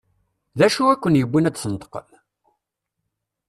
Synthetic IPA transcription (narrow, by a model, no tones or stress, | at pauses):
ðæʃuækʷːənjəbːinæt͡ssənt̪ə̥qə̰l